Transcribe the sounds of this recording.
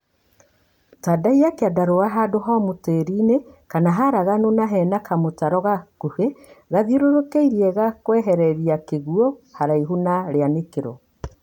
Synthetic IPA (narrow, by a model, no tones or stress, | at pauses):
tadaiakeadaɾowaɦadoɦɔmoteːɾinekanaɦaɾaɣanonaɦɛnakamotaɾɔɣakuheɣaðiɾoɾokeiɾiɛɣakwɛɦɛɾɛɾiakeɣuohaɾaiɦunaɾeanekeɾo̰